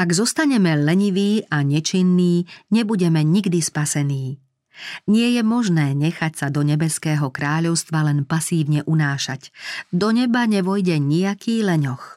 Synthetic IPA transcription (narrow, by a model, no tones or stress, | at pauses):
aɡzɔst̪aɲɛmɛlɛɲiʋiːʔaɲɛt͡ʃinːiːɲɛbuɟɛmɛɲiɡd̪ispasɛniː | ɲɪɛjɛmɔʒnɛːɲɛxacsad̪ɔɲɛbɛskɛːɦɔkɾaːʎɔʊst̪ʋalɛnpasiːʊɲɛʔunaːʃa̰cd̪ɔɲɛbaɲɛʋɔjɟɛɲiakiːlɛɲɔx